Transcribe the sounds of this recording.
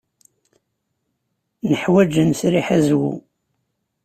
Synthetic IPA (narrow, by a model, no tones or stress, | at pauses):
nəħwæd͡ʒənsɾiħæzwṵ